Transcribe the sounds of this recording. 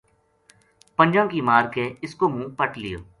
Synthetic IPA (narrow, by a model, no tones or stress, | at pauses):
pənd͡ʒãːkiːmaːɾkeːɪskoːmũːpəʈlɪjoː